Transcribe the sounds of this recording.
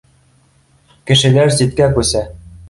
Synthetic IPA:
kɘ̆ʃɘ̆læɾsit̪kækʉsæ

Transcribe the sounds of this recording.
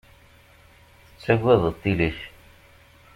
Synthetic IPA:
ə̥t͡sːæɡʷæðˤət̪ˤːiliç

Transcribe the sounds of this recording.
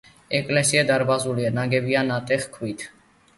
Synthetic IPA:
ɛkʼlɛsiad̪aɾbazulianaɡɛbianat̪ʼɛχkʰwit̪ʰ

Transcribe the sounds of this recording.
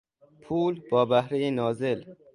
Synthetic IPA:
pʰuːlbɒːbæhɾejenɒːzel

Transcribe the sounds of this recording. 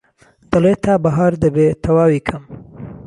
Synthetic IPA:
d̪̥əlet̪ʰabaɦaɾd̪əbet̪ʰɐwaːwikʰəm

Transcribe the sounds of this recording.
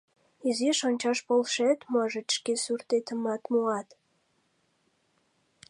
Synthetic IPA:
iziʃonʲt͡ɕɑʃpolʃet̪mɑʒĕt̪ʃkesyrt̪et̪əmɑt̪muɑt̪

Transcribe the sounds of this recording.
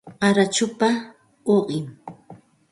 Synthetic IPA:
aɾat͡ʃʊpa | oɢɪm

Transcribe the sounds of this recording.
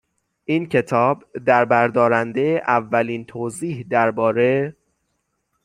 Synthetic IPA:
ʔiːncʰe̞t̪ʰɒːbd̪æɾbæɾd̪ɒːɾænd̪ejeʔævːæliːnt̪ʰoːziːhd̪æɾbɒːɾe

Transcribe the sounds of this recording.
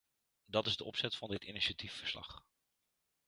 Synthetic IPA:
dɑtɪzdəʔɔ̰psɛtfɑndɪtiniʃatifːəɹslɑ̰χ

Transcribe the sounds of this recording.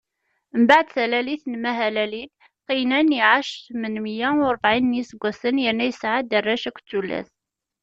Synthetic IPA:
mbaʕd̪θælæliθnmæɦælælil | qinæniʕaʃθmənmijæɾˤəbʕinːisəɡʷːæsənjənːæjəsʕad̪ərˤːæʃækʷːt͡sːulːæ̰θ

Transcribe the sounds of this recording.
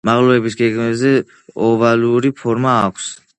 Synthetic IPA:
maʁlˠuɛbisɡeɡmɛzɛ | ɔvaluɾipʰɔɾmaːkʷʰs

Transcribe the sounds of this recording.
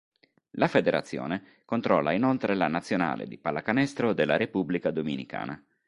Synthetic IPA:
lafed̪eɾʔa̰t̪sːjo̰ːne | kont̪ɾɔːlːainolt̪ɾelanat̪sːjona̰ːlḛd̪ipalːakanɛst̪ɾod̪elːaɾepublikad̪ominika̰ːnʔa̰

